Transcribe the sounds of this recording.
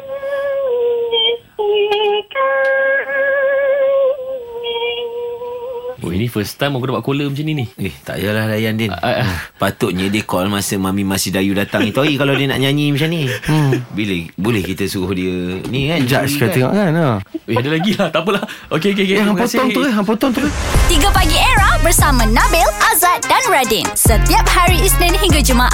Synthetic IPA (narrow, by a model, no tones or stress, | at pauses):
o̰inifəst̪amakədabaʔkoləmat͡ʃaninieht̪a̰ʔjalahlajandɛʔa̰ʔapat̪ʊʔ̪̚ɲədəkɔlmasəmamimasidajudat̪aŋŋit̪uaɡikalawdiəna̰ʔɲaɲimat͡ʃamni | bilebolɛhkit̪əsuɣʊhdiənĩkand͡ʒaʔskaeŋɔ̰ʔkanaweadəlaɡilaht̪apəlahokeokekeɦapot̪ɔŋuəɦamp̬ɔt̪ɔŋt̪uɣət̪iɡəpaɡieɾabərsamãnabɪlazat̪̚danɹadinsət̪iap̚haɾiislə̃nɦiŋɡad͡ʒumaʔ